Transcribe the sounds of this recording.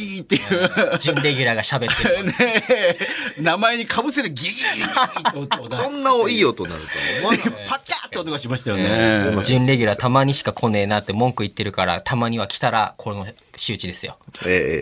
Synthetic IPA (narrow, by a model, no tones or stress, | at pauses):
it̪ːejɯd͡ʑɨ̃nɾe̞ɡʲɨɾaɡaɕabene | namaeɲ̟ikʰabɯ̟seɾɯɡʲi | õnːaoiːot̪ona̰ɾɯt̪a̰pakʲat̪ːeot̪okaɕimaɕi̥t̪ajoned͡ʑɨ̃nɾe̞ɡʲy̟ɾat̪amaɲ̟iɕi̥kakʰo̞ne̞ːnat̪ːe̞mõ̞ŋkɯ̟it̪ːe̞ɾɯ̟kaɾa̰t̪ʰamaɲ̟iβakʲi̥t̪aɾa̰kʰo̞ɾeno̞ | ɕɨːt͡ɕid̪e̞sɨjo̞̰ee